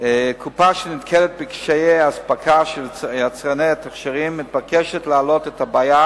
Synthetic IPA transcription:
kʰupaʃenit̪kʰelet̪̚bekʃejejaspakʰaʃelat͡sʁanejat̪aχʃiʁimːit̪̚bakeʃetlealo̞t̪etabaja

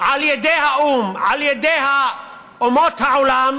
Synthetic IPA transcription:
ʕaljad̪eːhaʔuːmʕaljad̪eːha | ʊmot̪haʕʊlam

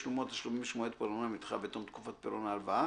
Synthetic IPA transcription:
ʃlumot̪aʃlumimʃmuet̪̚pɐɾonamit̪χa̰bet̪omt̪kufat̪̚peɾonaːlvaa

